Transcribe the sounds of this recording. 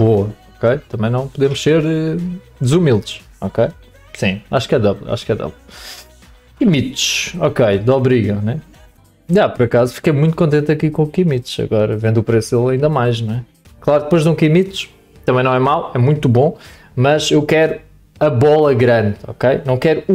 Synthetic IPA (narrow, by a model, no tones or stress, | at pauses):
boɐɔkejt̪ɐmɐ̃j̃nɐ̃w̃puðemʊʃseɾɛ | d̪zumilˠd̪ʃ | ɔkej | sĩaʃkɛd̪ɔβlˠa̰ʃu̥kɛðɛ̰βlˠ | imit̪ʃɔkejd̪ɔβɾiɣɐnɛ | ʒapɔɾɐkazufi̥kɐjmũj̃t̪u̥kõnt̪ẽnt̪ɐkikõukimit̪ʃɐ̰ɣɔɾɐvẽnd̪upɾeselˠɐĩnd̪ɐmajʃñw̃ɛ | klˠaɾk̚d̪̚pojʒd̪ũkimit̪ʃ | t̪ɐ̃mɐ̃j̃nɐ̃w̃ɛmawˠɛmũj̃t̪ubõ | mɐzewkɛɾu | ɐβɔlˠɐɣɾɐ̃nd̪ɔ̰kejnɐ̃w̃kɛɾu